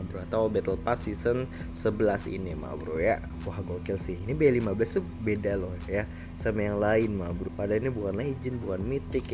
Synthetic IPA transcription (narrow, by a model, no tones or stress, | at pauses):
bɾuat̪awbɛt̪əlpasisən | səbəlasḭnima̰bɾuja | uɦaɡokɛlsɪhinibaalimabəlast̪u | bedalɔh̪ja | samajaŋlaɪnmabɾupadainibukanlaid͡ʒɪnbukanmit̪ɪk